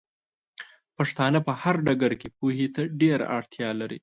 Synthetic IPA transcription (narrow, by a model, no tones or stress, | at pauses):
paʂt̪ɑnapəhaɾɖaɡaɾkepuhet̪aɖeɾa̰a̰ɽt̪jɑlaɾḭ